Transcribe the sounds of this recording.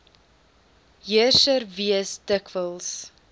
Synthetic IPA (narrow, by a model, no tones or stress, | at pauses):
ɦiərʃərviəstəkvəlˠs